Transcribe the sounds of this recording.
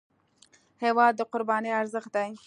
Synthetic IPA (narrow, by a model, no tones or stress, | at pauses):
hewɑd̪̚ːəqʊɾbɑniaɾzəxd̪aj